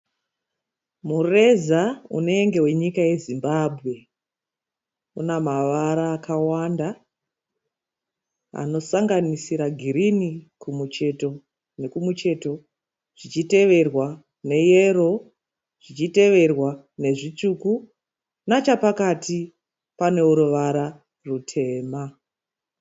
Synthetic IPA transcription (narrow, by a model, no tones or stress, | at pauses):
mure̞zaṵne̞ːŋɡe̞we̞ɲikaje̞zimbabʱɣe̞ | unamaʋaɾaːkawanda | a̰no̞saŋɡanisiɾaɡʱiɾinikumut͡ʃe̞to̞ | ne̞kumut͡ʃe̞to̞ | ʐ̥it͡ʃite̞ʋe̞rwa | ne̞je̞ɾo̞ | ʐ̥it͡ʃite̞ʋe̞rwa | ne̞ʐit͡ʂuku | nat͡ʃapakatʰi | pane̞uɾoʋaɾa | rutʰe̞ːma